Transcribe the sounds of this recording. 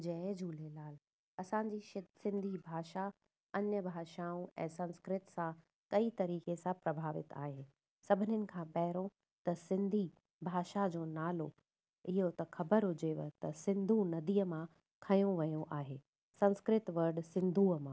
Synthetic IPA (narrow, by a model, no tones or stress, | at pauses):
d͡ʑɐːd͡ʑʱuːlelaːl | ɐsãːɲd͡ʑiːʃɪsɪ̃nd̪ʱibʱaːʃa | ɐɲjəbʱaːʃaːũɛ̰̃ːsɐ̃nskɾɪt̪sã | kɐit̪ɐɾiːkesãpɾɐbʱaːʋɪ̰t̪aːɦeː | sɐbʱɪnənɪ̆kʰãːpɛɦɪɾõ | t̪ɐsɪ̃nd̪ʱi | bʱaːʃad͡ʑoːnaːlo | ɪɦot̪ɐxɐbəɾɦʊd͡ʑeʋt̪ɐsɪ̃nd̪ʱũnɐd̪iːəmã | kʰɐj̃õʋɐjõʔaːɦeː | sɐ̃nskɾɪt̪ʋɐɾɖsɪ̃nd̪ʱuːəmãː